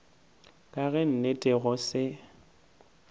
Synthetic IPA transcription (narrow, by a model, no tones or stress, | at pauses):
kʼaɣɛn̩netʼɛɣʊsɪ